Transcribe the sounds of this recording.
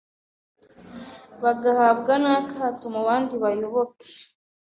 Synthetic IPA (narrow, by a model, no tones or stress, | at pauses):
βaɡahaːbɡanakaːtomuβaːndiβajoβoke̥